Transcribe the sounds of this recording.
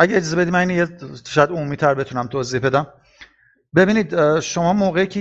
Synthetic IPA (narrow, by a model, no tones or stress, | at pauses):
ʔæɟæed͡ʒɒːze̞be̞d̪imæninjeʃɒjæd̪omuːmiːt̪ʰæɾbe̞t̪ʰunæmt̪ʰoːziːhbed̪æm | be̞biːniːd̪ʃo̞mɒːmoːɣeicʰe